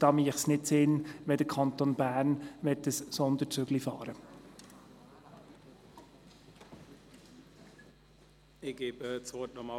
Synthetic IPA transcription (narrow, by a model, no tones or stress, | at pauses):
d̥ɑːmiəχsnɪtsɪnʋɛd̪əɾkʰɑnt̪onbæːɾnʋɛt̪ːəssɔnd̪ət͡sʏɡlifɑːɾə | ɪɡ̥eːbət͡soːt̚nɔmɑ